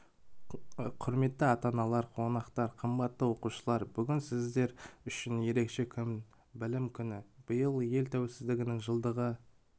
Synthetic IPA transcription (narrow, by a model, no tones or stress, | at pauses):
qʰʊɾme̞t̪ːɪɑt̪ɑnɑlˠɑɾqʰo̞nɑqt̪ɑɾqʰəmbɑt̪ːəwo̞quʃəlˠɑɾbʏɡʲɪnsɪzd̪e̞ɾʏʃɪnje̞ɾe̞kʃe̞kʲʰʏm | bɪlɪmkʲʰʏnɪb̥əjəlˠje̞lt̪ʰæwelsɪzd̪ɪɡʲɪnɪŋʒəlˠd̪əʁə